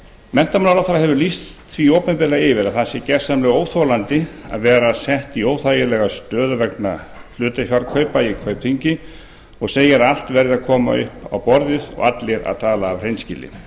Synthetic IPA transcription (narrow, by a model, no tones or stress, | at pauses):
mɛn̥t̪amalalawθaɾaɦɛvʏɾlist̪t̪ʰviːoːwpɛnmpɛɾlaɪvɪɾaðθasɪcɛɾ̥samlɛɣoːwθolant̪ɪa̰ðvɛːɾasɛht̪ioːwθaːjɪlɛːɣast̪œːðʏvɛkna | l̥ʏːt̪afjaɾkʰœːɥpaikʰvœːɥp̚t̪ʰiɲcɪ | ɔɣseːjaɾal̥t̪vɛɾðɪakʰɔːma̰ʏhpa̰wpɔɾðɪðɔ̰ɣat̪lɪɾa̰ðt̪ʰaːlaːvr̥ejnscɪ̰lɪ̰